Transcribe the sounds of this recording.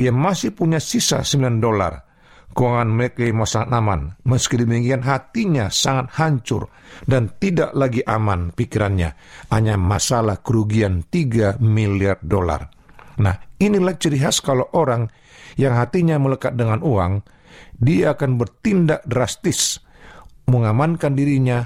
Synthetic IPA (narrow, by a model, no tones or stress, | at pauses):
ijamasɪhpuɲasisa̰səmbilandola̰r | kəwaŋanməkejmasaŋat̪̚ama̰nməskidimiŋianɦat̪iɲasaŋat̪̚haɲt͡ʃʊ̰r | dant̪ida̰ʔlaɡiʔamanpikiɾanɲa̰aɲamasalahkəɾuɡiant̪iɡamiliardola̰r | na̰hinilaht͡ʃəɾiɦaskalawʔoɾaŋ | jaŋɦat̪iɲamələkat̪̚dəŋanuaŋ | diaːkanbərt̪indak̚dɾast̪ɪs | məŋamankandiɾiɲa